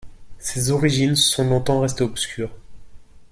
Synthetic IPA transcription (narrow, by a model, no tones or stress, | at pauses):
sezɔʁiʒinsɔ̃lɔ̃t̪ɑ̃ʁɛst̪eɔpskʲyːʁ